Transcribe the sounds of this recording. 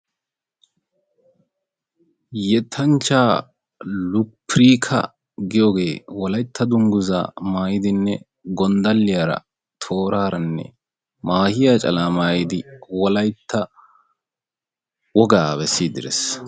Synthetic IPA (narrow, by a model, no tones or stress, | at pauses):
jɛt̪ʰːɐnt͡ʃːaː | lʊpːɾiːkʰɐ̰ | ɡɪjoːɡe̞ːwɔlɐjt̪ːɐd̪ʊŋɡʊza̰maːjɪd̪ɪnːɛ | ɡɔnd̪ɐlːɪjaːɾɐ̰ | t̪ʰo̞ːɾaːɾɐnːɛ̰ | maːhɪjaːt͡ʃʼɐlaːmaːjɪd̪ɪwɔlɐjt̪ʰːɐ | wɔɡabɛsːiːd̪ɪɾɛ̰s